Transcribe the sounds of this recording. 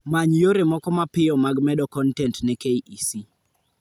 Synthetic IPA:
maɲjoɾemɔkɔmapɪɔmaɡmɛɗɔkɔntɛntnɛkeiʔisi

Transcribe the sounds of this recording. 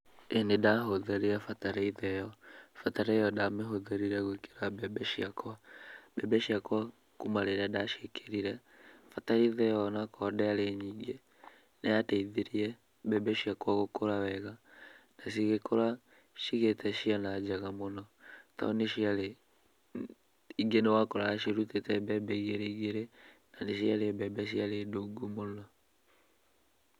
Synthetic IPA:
enedaɦoðeɾiafataɾaiðɛjɔfataɾaijɔdameɦoðeɾiɾɛɣweke̥ɾabɛbɛʃiakwabɛbɛʃiakwa | kumaɾeɾadaʃekʰeɾiɾɛ | fataɾiiðɛjɔnakʰɔdɛaleɲiːŋɡe | neatɛiðeɾiɛ | bɛbɛʃiakwaɣokoɾawɛɣanaʃ̬iɣekʰoɾa | ʃiɣetɛʃianad͡ʒaɣamonɔta̰oneʃiale | iŋɡenewakoɾaaʃeɾutetɛbɛbɛiɣeɾeiɣeɾenaneʃiaɾeɛbɛbɛʃ̬ialedoɡomonɔ

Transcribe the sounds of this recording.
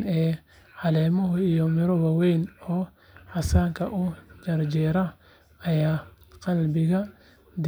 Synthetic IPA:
nɛː | ħɑlɛːmɔɦijɔmɪɾɔwɐwejnɔː | ħɑsaːŋkʰɐʔʊd͡ʒɐrd͡ʒɛːɾɐ | ɐjaːqɑlbɪɣɐ | d̪

